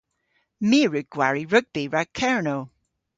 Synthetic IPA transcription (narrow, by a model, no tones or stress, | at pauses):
miːɹəɡ̚ɡ̥waɹiɹəɡ̚biɹakʰɛɹnow